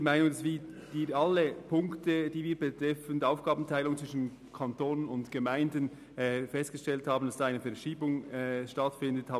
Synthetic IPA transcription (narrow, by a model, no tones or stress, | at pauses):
maɪnʊŋdasv̥iː | d̥iːalːəpʰʊŋktəd̥iːviːbətɾɛfən̩dʔaʊfɡ̥aːbn̩tʰaɪlʊŋt͡sv̥ɪʃn̩ | kʰantoːnənʊntɡ̥əmaɪndənː | fɛst̚ɡ̥əʃtɛlthɑːbn̩d̥asd̥ːaɪnəfɛɐʃiːbʊŋɛʃtɑtfɪndəthaː